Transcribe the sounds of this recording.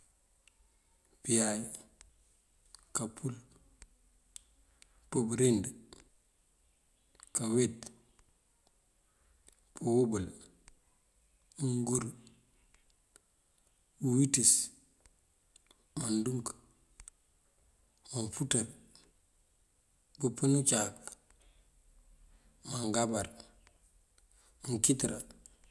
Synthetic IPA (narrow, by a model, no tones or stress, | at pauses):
pijaj | kapʰul | pobɾend | kawet | powobal | muŋɡuɾ | buwitis | manduŋk | manfutaɾ | bəpənt͡ʃak | maŋɡabaɾ | muŋkitɾa̰